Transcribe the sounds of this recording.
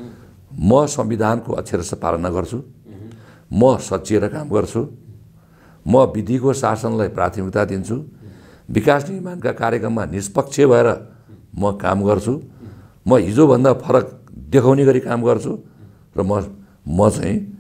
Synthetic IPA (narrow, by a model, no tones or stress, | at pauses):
mʌsʌmbid̪ʱankoʔʌ̰t̪sʰjaɾʌsʌpa̰lʌnaɡʌrt͡sʰu | mʌsʌtːsieɾʌkamɡʌrt͡sʰu | mʌbid̪ʱikosasʌnlajpra̰t̪ʰimik̚t̪ad̪int͡sʰu | bikasnimankakaɾjekrʌmːanispʌk̚t͡sʰjebʱʌeɾʌ | mʌkamɡʌrt͡sʰu | mʌɦid͡zobʱʌnd̪apʰʌɾʌkd̪ekʰawneɡʌɾikamɡʌrt͡sʰu | rʌmʌ | mʌt͡sa̰ĩ